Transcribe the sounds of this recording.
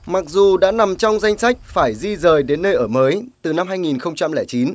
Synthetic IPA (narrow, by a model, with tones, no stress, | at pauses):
ma˨˩k̚zu˨˩ɗa̰ː˧˥na˨˩mt͡ɕɔ˧wŋ͡mza˧jŋ̟sa˦˥k̟̚faː˧˩jzi˧zəː˨˩jɗe˨˦nːəː˧jʔəː˧˩məː˨˦jt̪ɨ˨˩na˧mɦaː˧jŋi˨˩nxə˧wŋ͡mt͡ɕa˧mlɛː˧˩jt͡ɕi˨˦n